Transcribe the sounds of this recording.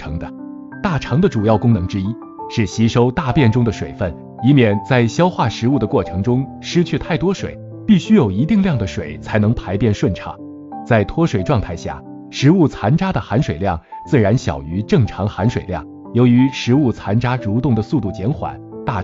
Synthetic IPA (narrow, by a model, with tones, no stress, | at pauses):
ɤ˧˥ŋd̪ə˧ | t̪a˥˩ʈ͡ʂʰɑ˧˥ŋd̪ə˧ʈ͡ʂu˨˩jɑ˥˩ʊkʊ˥ŋnɤ˧˥ŋʈ͡ʂɻ̩˥i˥ | ʂɻ̩˥˩ɕi˧˥ʂo˥ʊt̪a˥˧pjɛ˥˩nʈ͡ʂʊ˥ŋd̪ə˨ʂwḛ˨˩ɪfə˥˩n | i˧˥mjɛ˨˩nt͡sa˥˩ɪɕjɑ˥ʊxwa˥˩ʂɻ̩˧˥u˥˩d̪ə˩kwɔ˥˩ʈ͡ʂʰɤ˧˥ŋʈ͡ʂʊ˥ŋ | ʂɻ̩˥t͡ɕʰy˥˧t̪ʰa˥˩ɪt̪wɔ˥ʂwḛ˨˩˦ɪ | pi˥˩ɕy˥jo˨˩ʊi˧˥t̪i˥˧ŋljɑ˥˩ŋd̪ə˩ʂwe˨˩ɪt͡sʰa˧˥ɪnɤ˧˥ŋpʰa˧˥ɪpjɛ˥˧nʂwə˥˩nʈ͡ʂʰɑ̰˨˩˦ŋ | t͡sa˥˩ɪt̪ʰwɔ˥ʂwe˨˩ɪʈ͡ʂwɑ˥˧ŋt̪ʰa˥˧ɪɕja̰˥˩ | ʂɻ̩˧˥u˥˩t͡sʰa˧˥nʈ͡ʂa˥d̪ə˨˩xa˧˥nʂwe˨˩ɪljɑ˥˩ŋt͡sɹ̩˥˩ɻa˧˥nɕjɑ̰˨˩ʊy˧˥ʈ͡ʂɤ˥˩ŋʈ͡ʂʰɑ˧˥ŋxa˧˥nʂwe˨˩ɪljɑ̰˥˩ŋ | jo˧˥ʊy˧˥ʂɻ̩˧˥u˥˩t͡sʰa˧˥nʈ͡ʂa˥ɻu˧˥t̪ʊ˥˩ŋd̪ə˩su˥˧t̪u˥˩t͡ɕjɛ˧˥nxwa̰˨˩˦nt̪a˥˩